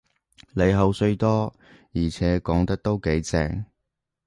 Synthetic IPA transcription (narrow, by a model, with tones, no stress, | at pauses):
le˨˧jɦɐ˨˧wsɵ˧ɥt̪ɔː˥ | jiː˨˩t͡sʰɛː˨˥kɔː˨˥ŋt̪ɐ˥k̚t̪o˥wke˨˥jt͡sɛ̰ː˧ŋ